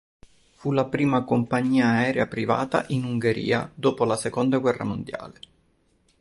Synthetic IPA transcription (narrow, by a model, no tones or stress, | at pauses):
fulapɾiːmakompaɲːiːaːɛːɾjapɾiva̰ːt̪a̰ʔinuŋɡeɾḭːa̰d̪oːpolasekond̪aɡwɛrːa̰mond̪ja̰ːle